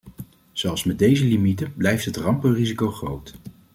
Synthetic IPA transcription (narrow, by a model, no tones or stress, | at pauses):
z̥ɛlˠfsmɛd̚ejzəlimitənblɛjftɦətrɑmpərizikowχrowt